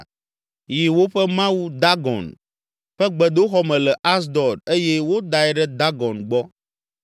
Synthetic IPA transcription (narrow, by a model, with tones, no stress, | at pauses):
ji˨wo˦ɸɛ˦mã˦wu˦d̪a˦ɡɔ̰̃˨n | ɸɛ˦ɡ͡bɛ˨d̪o˦xɔ˦mɛ̃˨lɛ˨ʔa˦s̬d̪ɔ˨ɖe˦je˦wo˦d̪a˨ɛ˦ɖɛ˦d̪a˦ɡɔ˨nɡ͡bɔ˦